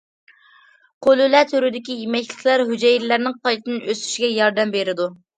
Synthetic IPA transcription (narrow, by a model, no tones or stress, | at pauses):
qʰolˠylɛt̪ʰøɾyd̪ɪkʲijimɛkʲlɪ̥kʲlæɾɦyd͡ʒɛjɾlæɾnɪŋqʰɑjt̪ɨnʔøst̪y̥ʃɡʲɛjɑɾd̪ɛmbeɾɪd̪u